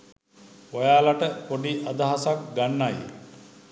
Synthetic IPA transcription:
ʋajaːlaʈəkoɖiʔad̪əɦasak̚ɡanːaj

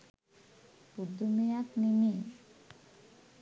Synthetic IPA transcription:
pud̪ːumijaknimi

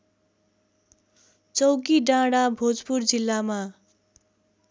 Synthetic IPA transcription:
t͡sʌwkiɖãɽabʱod͡zpurd͡zilːama

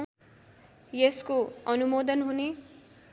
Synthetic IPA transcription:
jeskoʌnumod̪ʌnɦune

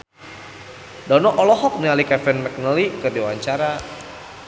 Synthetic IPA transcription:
dɔnɔʔɔlɔɦɔk̚nialikɛfɛnmɛk̚nəlikədewaɲt͡ʃaɾa

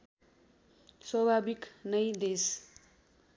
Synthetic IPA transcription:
swʌbʱabiknʌjd̪es

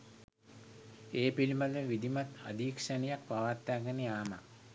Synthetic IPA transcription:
eːpilimaləʋid̪imat̪a̰d̪iːkʂanijak̚paʋat̪ːaːɡəneaːma

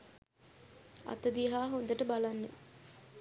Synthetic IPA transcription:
ɐ̰t̪əd̪iɦaːɦond̪əʈəbalanːə

